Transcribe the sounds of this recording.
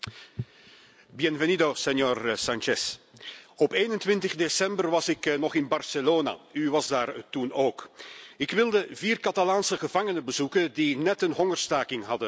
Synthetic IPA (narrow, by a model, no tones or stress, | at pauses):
bjɛnvɛnidosɛnjøːrsɑnt͡ʃɛs | ɔpeːnəntʋɪntəχdesɛmbərʋɑsɪknɔχɪnbɑrsəloːna̰yʋɑzdaːrtunoːkɪkʋɪlˠdəviːrkɑtalaːnsəχəvɑŋənəbəzukəndinɛtənɦɔŋərstaːkɪŋɦɑdə